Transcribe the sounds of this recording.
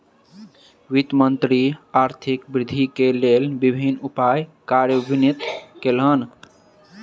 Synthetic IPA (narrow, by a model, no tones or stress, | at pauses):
wit̪mənt̪ɾiaɾt̪ʰikbɾɪd̪ʱikelelbibʱinupajkaɾjəbinit̪kelɦən